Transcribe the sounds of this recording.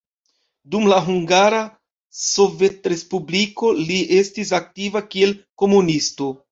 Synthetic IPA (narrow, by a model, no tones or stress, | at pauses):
dumlaɦuŋɡaɾa | so̞ve̞tɾe̞spubliko̞liʔe̞stis̬ak̚tivakie̞lko̞munisto̞